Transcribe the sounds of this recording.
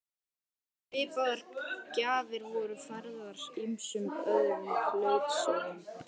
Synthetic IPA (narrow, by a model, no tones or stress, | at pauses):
pɪːpaðaɾcaːðɪɾvɔːɾʏfaɾðaɾ̥imsʏmœðɾʏlœːɥt̪sœɾɪn